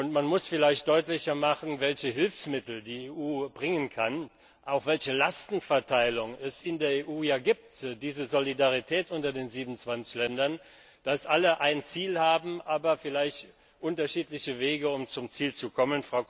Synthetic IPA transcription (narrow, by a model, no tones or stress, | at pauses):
ʔʊntmanmʊsfɪlaɪçtd̥ɔʏtlɪçɐmaχn̩vɛlçəɦɪlfsmɪtl̩diːeʔuːbʁɪŋənkʰan | ʔaʊxv̥ɛlçəlastn̩fɛɐtʰaɪlʊŋɛsɪndeːɐeːʔuːjaːɡiːp̚tdiːzəzolidaʁitʰɛːtʔʊntɐdeːnziːbmnnt͡sv̥ant͡sɪ̥çlɛndɐn | d̥asʔaləʔaɪnt͡siːlhaːbm̩ʔaːbɐfɪlaɪçt | ʔʊntɐʃiːtlɪçəveːɡəʊmt͡sʊmt͡siːlt͡sukʰɔmənfʁ̥aʊ